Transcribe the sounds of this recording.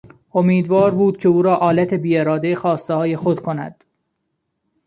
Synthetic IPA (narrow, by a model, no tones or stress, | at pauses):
omiːd̪vɒːɾbuːd̪̥̚cʰe̞uːɾɒːʔɒːlæt̪ʰe̞biːeɾɒːd̪ejxɒːst̪ehɒːje̞xod̪̥kʰo̞næ̰d̪̥